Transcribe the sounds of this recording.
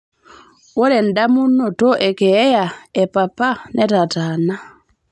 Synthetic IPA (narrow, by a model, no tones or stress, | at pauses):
wɔɾɛndamunːɔtɔʔɛkɛɛjaɛpapanʔɛtatana